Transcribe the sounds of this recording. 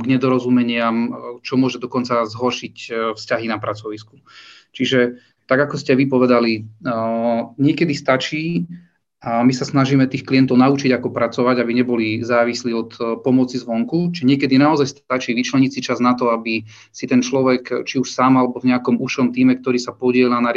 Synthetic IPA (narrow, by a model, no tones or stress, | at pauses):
ɡɲɛd̪ɔɾɔzumɛɲɪamt͡ʃɔmʊɔʒɛd̪ɔkɔnt͡sazɦɔɾʃicfscaɦinapɾat͡sɔʋisku̥ | t͡ʃiʒɛ | t̪aɡakɔscɛʋipɔʋɛd̪ali | ɲɪɛkɛd̪ist̪at͡ʃiː | misasnaʒimɛt̪iːxkliɛnt̪ɔʊnaut͡ʃiɟakɔpɾat͡sɔʋaɟabiɲɛbɔlizaːʋisliːɔt̪pɔmɔt͡sizʋɔŋkut͡ʃiʒɛɲɪɛkɛd̪inaɔzajst̪at͡ʃiːʋit͡ʃlɛɲisit͡ʃaznat̪ɔabi | sit̪ɛnt͡ʃlɔʋɛkt͡ʃiuʃsaːmalɛbɔvɲɛakɔmuʃɔmt̪iːmɛk̚t̪ɔɾiːsapɔɟɪɛlanaɾ